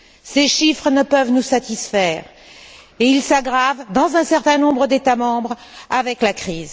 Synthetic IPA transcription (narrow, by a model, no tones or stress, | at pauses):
seʃifχənəpəvnusat̪isfɛːʁ | eilsaɡʁavd̪ɑ̃zɛ̃sɛʁt̪ɛ̃nɔ̃bʁəd̪et̪amɑ̃bʁavɛklakχiːz